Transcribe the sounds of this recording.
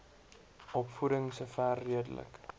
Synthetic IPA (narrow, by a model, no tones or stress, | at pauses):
ɔpfudəŋsəfærːiədə̰lə̰k